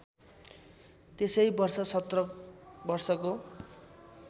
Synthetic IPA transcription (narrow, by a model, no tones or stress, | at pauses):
t̪esʌjbʌrsʌsʌt̪rʌbʌrsʌko